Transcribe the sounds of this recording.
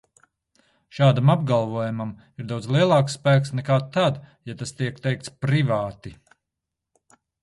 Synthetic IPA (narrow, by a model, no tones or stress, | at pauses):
ʃaːd̪amabɡalˠvuɔjumam | iɾd̪awd̪zlˠiɛlˠɑːksːpæːksnɛkaːt̪ad̪jat̪ast̪iɛkt̪ɛjk̚t̪spɾivaːt̪i